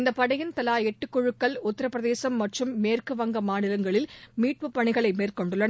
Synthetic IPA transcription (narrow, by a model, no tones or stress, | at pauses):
ɪnd̪ɐpːɐɽɐjɪnt̪ɐlaːɛʈːɯkːɔɻɯkːɐɭʊt̪ːɪɾɐpːɾɐðeːsɐmːɐʈrɯmːeːrkɯʋɐŋɡɐmaːnɪlɐŋɡɐɭɪlmiːʈ̚pɯpːɐɳɪɣɐɭɐɪmeːrkɔɳɖɯɭːɐnɐ